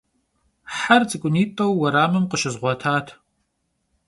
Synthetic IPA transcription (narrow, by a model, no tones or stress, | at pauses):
ħart͡sʼɨkʷʼʊniːtʼɐwːɐɾaːmɨmqəʃɨzʁʷɔtʰaːtʰ